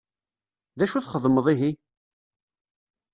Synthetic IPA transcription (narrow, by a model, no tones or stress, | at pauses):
ðæʃuθχəðˤməðˤiɦi